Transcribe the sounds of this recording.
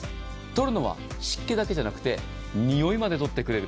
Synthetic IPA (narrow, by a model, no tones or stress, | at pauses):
t̪o̞ɾɯ̟no̞βa̰ɕi̥kːe̞d̪ake̞ʑanakɯ̟̥t̪e̞ | ɲ̟ijo̞imad̪e̞t̪o̞t̪ːe̞kɯ̟ɾe̞ɾɯ